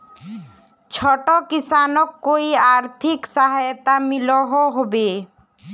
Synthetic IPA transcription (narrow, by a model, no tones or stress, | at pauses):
t͡ɕʰɔʈokisanokːoiaɾt̪ʰiksaɦajt̪amiloɦoɦɔbe